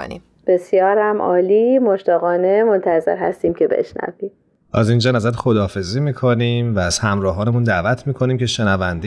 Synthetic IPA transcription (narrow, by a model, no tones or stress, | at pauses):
nḭm | b̥e̞sjɒːɾæmʔɒ̰ːliːmoʃt̪ɒːɣɒːnemo̞nt̪ʰæzḛɾɦæ̰st̪iːmcʰe̞bḛʃnæ̰vim | ʔæzind͡ʒɒːnæzæɾt̪xod̪ɒːfe̞ziːmiːkʰonimvæːz̥hæmɾɒːɦɒːnemund̪æːvæt̪ʰmiːkʰo̞niːmcʰeʃe̞nævænd̪